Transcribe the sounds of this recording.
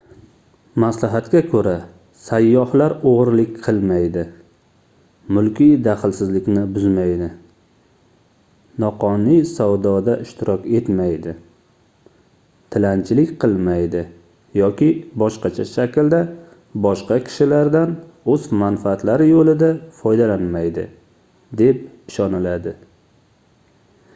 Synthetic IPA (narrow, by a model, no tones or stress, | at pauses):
maslaɦat̪kʲakʰɵɾa | sajːɒhlaɾoʁɾlɪkʲqʰɨlˠmajd̪ɪ | mʊlˠkʲijd̪aχɪlsɪzlɪkʲnɪbʊzmajd̪ɪ | nɒqɒnɪjsawd̪ɒd̪aʔɪʃt̪ʰɪɾʔɒkʲe̞t̪majd̪ɪ | t̪ʰɪlant͡ʃʰɪlɪkʲqʰɨlˠmajd̪ɪ | jɒkʲɪbɒʃqɑt͡ʃʰaʃakʲld̪a | bɒʃqɑkʲʰɪ̥ʃɪlaɾd̪an | ɵzmanfaːt̪laɾɪjolɪd̪afɒjd̪alanmajd̪ɪ̰ | d̪e̞p̚ | ɪʃɒnɪlad̪ɪ